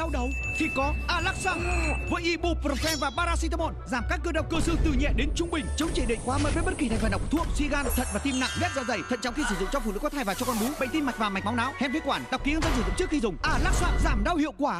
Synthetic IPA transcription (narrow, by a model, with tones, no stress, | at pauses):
a˧wɗə˨˦wt̪ʰi˧˩kɔ˨˦ʔaː˧˩laː˦˥k̚saː˧ŋvə̰˧˨˦jʔi˧˩ɓu˧˩və˨˧˩fɛ˧nvaː˨˩ɓaː˧ɾaː˧si˧t̪ə˧mo̰˧˨nzaː˧˩mkaː˦˥kːə˧ɗə˨˩w̚k͡pkə˧sɨ̰˧t̪ɨ˨˩ɲɛ̰˧˨ɗe˨˦nt͡ɕʊ˧ŋ͡mɓï˨˩ŋ̟t͡ɕə˨˦wŋ͡mt͡ɕe˧˩ɗḛ˧˨nkwaː˨˦məː˨˦˩və˨˦ɓə˦˥t̚ki˨˩˨ŋ̟faː˨˩ɗkt̪ʰu˧˨əmswḭ˧ɣaː˧nt̪ʰə̰˧˨nvaː˨˩t̪i˧mna̰˧˨ŋvɛ˦˥t̚zɔ̰˧˩zə˧˩jt̪ʰə̰˧˨nt͡ɕɔ̰˧˨wŋ͡mxi˧sɨ˧˩zʊ̰˧˨ŋ͡mt͡ɕɔ˧fṵ˧nɨ̰˧˥kwt̪ʰaː˧˩vaː˨˩t͡ɕɔ˧kɔ˧nɗu˨˦ɓə̰˧˨ŋ̟t̪i˧nma˨˩k̟̚vaː˨˩m˨˩j̟̚ma˨˦wnaː˨˦whɛ˧nvi˧kwaː˧˩nɗa˨˩wk͡pki˨˦ə˧nzə˧nzɨ˧˩zɨ˧˨ŋ͡mt͡ɕɨ˦˥kxi˧zʊ˨˩ŋ͡mʔaː˧˩laː˦˥k̚saː˧nzaː˧˩mɗa˧whḭ˧˨əkwaː˧˩